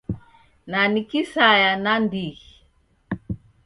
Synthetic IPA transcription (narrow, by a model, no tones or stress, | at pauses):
nanikisajanandiɣi